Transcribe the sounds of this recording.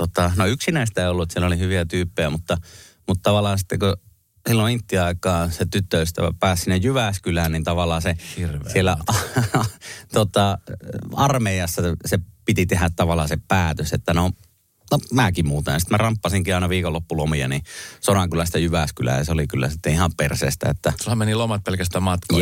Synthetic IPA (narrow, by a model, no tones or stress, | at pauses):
t̪ot̪ɑnoyksinæist̪æeˑiolːuet̪sielːolihyʋiæt̪yːpːejæmut̪ːɑ | mut̪t̪ɑʋɑlːˑɑːsi̥t̪ːeku | silːoint̪ːiɑˑikˑɑːset̪yt̪ːøyst̪æ̰æ̰pæːssinːejjyʋæskylænnint̪ɑʋɑlːˑɑːsehirsielːæɑ | t̪ot̪ɑ | ɑrmeˑijɑsːɑsepit̪it̪ehæt̪t̪ɑʋɑlːˑɑːsepæːt̪øset̪ːæno | nomæːkimuːt̪ḛnsi̥t̪mærɑmpːɑsiŋkiɑˑenɑʋiːkolːopːulomiɑ̰nisonɑŋkylæst̪ɑjyʋæskylæ̰jɑ̰seolikylːæ̰sit̪ːeihɑmpersḛːst̪æ̰et̪ːæsulhæmenilomɑt̪̚pelkæst̪æːmmɑt̪k